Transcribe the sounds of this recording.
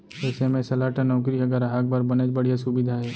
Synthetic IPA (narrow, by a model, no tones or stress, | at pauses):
ɛːsemẽsɐlaːʈanɔːk̬ɾiɦɐɡəɾaɦak̚bɐɾbɐned͡ʒbɐɽ̤ijasʊbɪd̪ʱaɦɛː